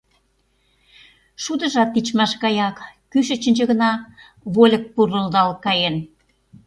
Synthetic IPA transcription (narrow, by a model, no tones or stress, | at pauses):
ʃud̪ə̆ʒɑt̪ːit͡ɕmɑʃɣɑjɑkː | yʃə̆t͡ɕə̆nʲt͡ɕə̆ɣə̆nɑ | βolʲə̆k̚purə̆ld̪ɑlkɑjen